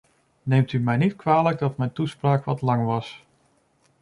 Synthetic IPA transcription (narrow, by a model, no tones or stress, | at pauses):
nejmtymɛjnitkʋaːləɡ̚dɑtmɛjntuspraːkʋɑtlɑŋʋɑs